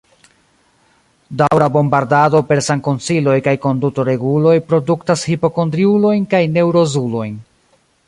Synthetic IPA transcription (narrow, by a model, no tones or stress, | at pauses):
dawɾabo̞mbaɾdado̞pe̞ɾsaŋko̞nsilo̞jkajko̞nduto̞ɾe̞ɡulo̞jpɾo̞duktashipo̞ko̞ndɾiulo̞jnkajne̞wɾo̞zulo̞jn